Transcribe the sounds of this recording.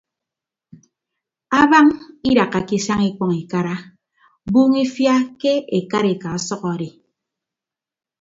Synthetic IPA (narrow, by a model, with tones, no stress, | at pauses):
a˦βa˦ŋi˦ɾa˨ka˨ki˦sa˦ŋi˦k͡pɔ˨ŋi˨ka˦ɾa˦ | buː˦ŋi˦fja˦ke˦e˨ka˦ɾe˨ka˨ɔ˦sɔ˦kɔ˨ɾe˨